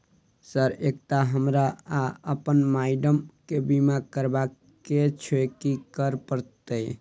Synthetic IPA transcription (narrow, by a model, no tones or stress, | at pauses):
səɾek̚t̪aɦəmɾaaəpənmaɪɖəmkebimakəɾba | ket͡ʃʰokikəɾpəɾt̪e